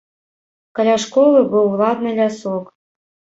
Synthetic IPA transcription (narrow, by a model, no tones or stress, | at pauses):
kɐlʲaʂkɔlˠɨbɨwlˠad̪nɨlʲasɔk